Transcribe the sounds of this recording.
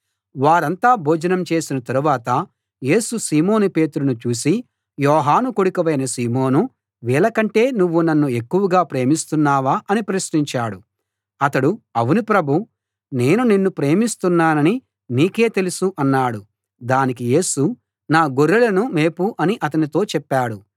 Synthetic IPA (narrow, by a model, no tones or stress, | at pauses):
ʋaːɾɐnt̪aːbʱoːd͡ʒɐnɐmt͡ʃe̞ːsinɐt̪ɐɾuʋaːt̪ɐ | je̞ːsusiːmo̞ːnupeːt̪uɾunut͡ʃuːsi | jɔːɦaːnukoɽukiʋɐjnɐsiːmo̞ːnu | ʋiːɭɐkɐɳʈe̞ːnuʋːunɐnːue̞kːuʋɐɡaːpɾe̞ːmist̪unːaːʋaːʔɐnipɾɐsniɲt͡ʃaːɽu | ɐt̪ɐɽuɐʋunipɾɐbʱu | ne̞ːnunenːupɾe̞ːmist̪unːaːnɐni | niːke̞ːt̪e̞lusuʔɐnːaːɽu | d̪aːnikije̞ːsu | naːɡoɾːulɐnume̞ːpuʔɐniʔɐt̪̬ɐnit̪o̞ːt͡ʃɛpːaːɽu